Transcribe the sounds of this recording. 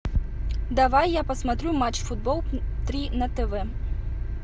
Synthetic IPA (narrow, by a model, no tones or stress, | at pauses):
d̪avajːapɐsmat̪ɾʲumat͡ʃfud̪̚bɔlˠt̪ɾʲinɐt̪ɛvɛ